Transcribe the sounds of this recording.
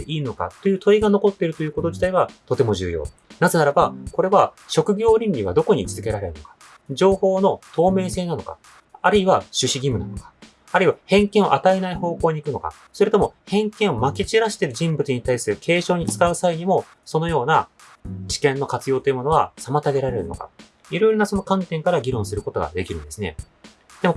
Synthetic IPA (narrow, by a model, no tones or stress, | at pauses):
eʔiːno̞ka̰t̪ːe̞jɯ̟ːt̪o̞iɡano̞ko̞t̪ːe̞ɾɯ̟t̪o̞jɯ̟ːko̞t̪o̞d͡ʑi̥t̪aiβat̪o̞t̪e̞mo̞ʑɨ̰ːjo̞̰ː | nazenaɾabako̞ɾe̞βa | ɕo̞kɯ̟ɡʲo̞ːɾʲĩnɾʲiβ̞a̰d̪o̞ko̞ɲ̟it͡sɨzɨ̥ke̞ɾaɾe̞ɾɯ̟no̞̰kḁ | d͡ʑo̞ːho̞ːno̞t̪o̞ːme̞ːse̞ːnano̞ka̰ | aɾɯ̟iβaɕɨɕiɡʲimɯ̟na̰no̞kḁː | ɾɯ̟iβahẽ̞ŋkẽo̞ʔat̪aenaiho̞ːko̞ːɲ̟iːkɯ̟no̞ka̰ | so̞ɾet̪o̞mo̞hẽ̞ŋkẽɰ̃o̞makʲit͡ɕiɾaɕi̥t̪e̞ɾɯ̟ʑĩmbɯt͡sɨɲ̟it̪aisɨɾɯ̟kʰe̞ːɕo̞ːɲ̟it͡sɨ̥kaɯ̟saiɲ̟imo̞ | so̞no̞jo̞ːna | t͡ɕi̥kẽ̞nːo̞kat͡sɨjoːt̪o̞jiɯmo̞no̞βasamat̪aɡe̞ɾaɾe̞ɾɯ̰no̞̰ka̰ | iɾo̞iɾonaso̞no̞kãnt̪ẽ̞ŋkaɾaɡʲiɾõ̞ɰ̃sɨɾɯ̟kot̪o̞ɡa̰d̪e̞kʲiɾɯ̟̃nd̪e̞sɨne̞̰ | d̪̥e̞mo